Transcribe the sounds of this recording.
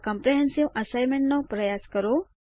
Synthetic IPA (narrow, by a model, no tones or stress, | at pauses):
kəmpɾeɦẽnsiʋʔəsajmẽɳʈnɔpɾəjaskəɾo